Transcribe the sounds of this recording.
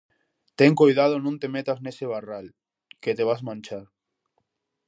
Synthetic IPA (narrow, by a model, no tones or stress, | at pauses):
t̪eŋkojðað̞onõnt̪emet̪azneseβ̞aral | ket̪eβ̞azmãnt͡ʃaɾ